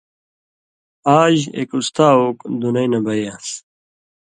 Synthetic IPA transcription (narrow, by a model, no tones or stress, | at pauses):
aːʑḛkust̪aːoːkd̪unɐjnɐbɐjaːs